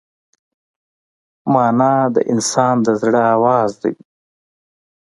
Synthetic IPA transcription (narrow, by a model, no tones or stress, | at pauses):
mɑːnɑd̪ə̰ʔɪnsɑːnd̪əzɽəaːwɑːzd̪ɐ̰j